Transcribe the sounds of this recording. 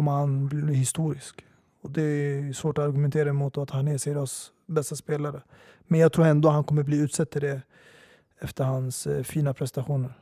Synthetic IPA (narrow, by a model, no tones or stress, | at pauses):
kʰɔmːəɾhanblhɪst̪uːɾɪsk | ɔd̪ɛsvoːʈɔaɾɡɵmɛnt̪ʰeːɾaɛmut̪ɔat̪hanɛsɛɾɔs | bɛst̪aspeːlaɾə | mɛnjɑːɡ̚t̪ʰɾuːɾɛnd̪oːhankʰɔmːəɾbliːʉ̟ːt̪sɛt̪ːɪɖɛ | ɛft̪əɾhansfiːnapʰɾɛsɛnt̪aɧuːnəɾ